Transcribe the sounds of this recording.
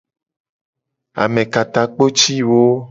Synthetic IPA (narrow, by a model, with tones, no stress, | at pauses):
a̰˨mẽ˨ka˨t̪a˨k͡po˦t͡ʃi˦wo˦